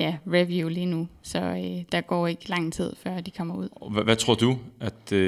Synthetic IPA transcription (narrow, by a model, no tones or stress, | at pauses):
jæʁeʋjulinusɒ̽ød̥ɑ̈ɡ̥ɒ̰ːe̝ɡ̥əlɑ̈ŋ̰t͡sʰið̞̰ˠfɶɐ̰d̥ikʰɒ̽m̰ɐuð̰ˠʋæt͡sʰʁo̝ɐ̰d̥uæd̥